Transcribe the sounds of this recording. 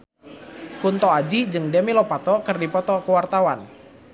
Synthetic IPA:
kunt̪ɔad͡ʒid͡ʒɨŋdɛmilɔpat̪ɔkɨrdipɔt̪ɔkəwart̪awan

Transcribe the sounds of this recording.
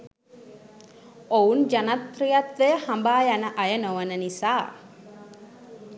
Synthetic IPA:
ound͡ʒanat̪prijat̪ʋehambaːjanəʔajənoʋənənisaː

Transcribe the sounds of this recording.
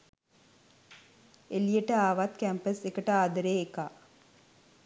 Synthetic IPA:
elijəʈəaːʋat̪kæmpəsekəʈəaːd̪əɾeːeka̰ː

